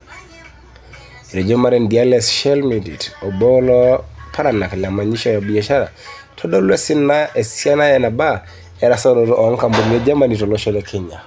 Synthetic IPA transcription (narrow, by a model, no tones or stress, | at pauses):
ɾɛd͡ʒɔmaɾɛndialɛsʃɛlmiditɔbɔlɔpʰaɾanaklamaɲiʃɔjabiaʃaɾa̰ | tʰɔɗɔlwɛsinaʔɛsianajanaba | ɛɾasɔɾɔɾɔʔɔŋkambɔliɛd͡ʒamanitɔlɔʃɔlɛkʰɛɲa